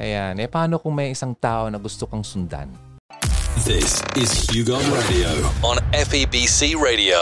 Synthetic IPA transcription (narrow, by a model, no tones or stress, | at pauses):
ʔɐjanʔɛpɐaːnokʊŋmɐjʔɪsaŋt̪aːʔonɐɡʊst̪okɐŋsʊnd̪a̰n | ðɪsɪzhjʉɡɔnɹedioʊə̃nɛfibisiːɹeɪɾio